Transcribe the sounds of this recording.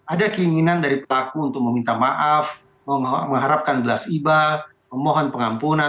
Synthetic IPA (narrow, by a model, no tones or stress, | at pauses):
adakəiŋinandaɾipəlakuːnt̪ʊk̚məmint̪amaʔaf | əməŋɦaɾap̚kanbəlasiba | məmoɦɔnpəŋampuna